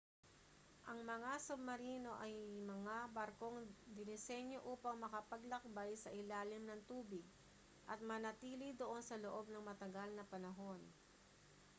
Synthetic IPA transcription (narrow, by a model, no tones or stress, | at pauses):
ʔɐŋmɐŋasʊbːɐɾiːno̞ʔɐjmɐŋabɐɾko̞ŋd̪ɪnɪsɛnjo̞ʔuːpɐŋmɐkɐpɐɡlɐk̚bajsɐʔɪlaːlɪmnɐŋt̪uːbɪɡ̚ | ʔɐt̪̚mɐnɐt̪iːlɪd̪oʔo̞nsɐloʔo̞b̚nɐŋmɐt̪ɐɡalnɐpɐnɐɦo̞n